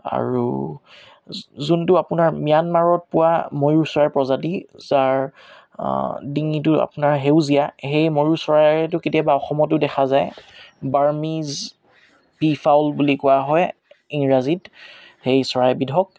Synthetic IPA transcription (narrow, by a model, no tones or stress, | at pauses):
a̰ɹṵ | zuntʊapʊnaɹmijanmaɹɔt̚pʊwamojuɹsɔɹaɹpɹɔzatizaɹ | diŋit̬ʊa̰pʊnaɹɦeʊzijaxejmoɹuɹsɔɹajɹɛtʊketijabaɔxɔmɔtʊdɛxʰazajbaɹmiz | bifʰawlbulikʊwaɦɔjiŋɹazit | hejsɔɹajbidʱɔk̚